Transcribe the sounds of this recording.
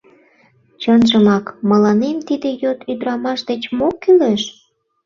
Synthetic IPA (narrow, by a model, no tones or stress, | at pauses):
t͡ɕənʒəmɑkməlɑnemt̪id̪ejot̪yd̪ɾɑmɑʃd̪et͡ɕmokːyleʃ